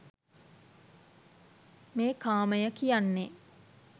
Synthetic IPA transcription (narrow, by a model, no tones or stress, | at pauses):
meːkaːməjəkijanːe